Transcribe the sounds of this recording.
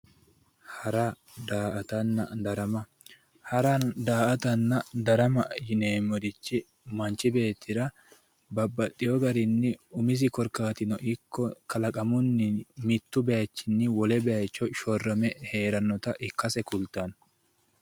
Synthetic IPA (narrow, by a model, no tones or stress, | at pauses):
hɐɾa | d̪aːʔɐt̪ɐnːɐ̰d̪ɐɾɐmɐ | hɐɾand̪aːɐt̪ɐnːɐd̪ɐɾɐmɐjɪneːmːɔd̪ɪt͡ʃːɪ | mɐnt͡ʃɪbe̞ːt̪ʰːɪɾɐ | bɐbːɐt̪ʼːɪjɔɡɐɾɪnːɪʊmɪs̬ɪkɔɾkaːt̪ɪnɔʔɪkʰːɔkɐlɐkʼɐmʊnːɪmɪt̪ːʊbɛjɐt͡ʃːɪnːɪwɔlɛbɛjɐjt͡ʃːɔʃɔrːɐmɛhe̞ːɾɐnːɔt̪ɐʔɪkːɐsɛkʊlt̪ɐn